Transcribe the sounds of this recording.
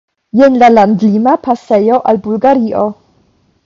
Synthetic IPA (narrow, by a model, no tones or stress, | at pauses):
jenlalandlimapʰasejo̞ʔalbulɡaɾiʔo